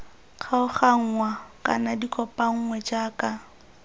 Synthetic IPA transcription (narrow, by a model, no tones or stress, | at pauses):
k͡xʰaʊχaŋ̩ŋwakʼa̰nadikʼɔpʼaŋ̩ŋwɛd͡ʒaːka